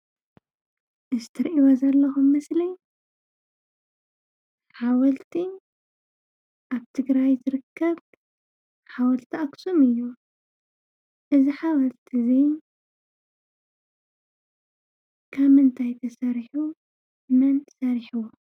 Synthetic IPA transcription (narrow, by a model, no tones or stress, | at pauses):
ʔɨzɨt̪ʰɐɾʔiwɐzɐlːɐxumːɐslij | ħawɐlt̪ʰin | ʔaβt̪ʰɨɡɾajzɨɾɨkʰːɐβ | ħawɐlt̪ʰiʔaksumɨjːu | ʔɨziħawɐlt̪ʰizin | kʰamɨnt̪ʰajt̪ʰɐsɐɾħu | mɐnsɐɾħɨwo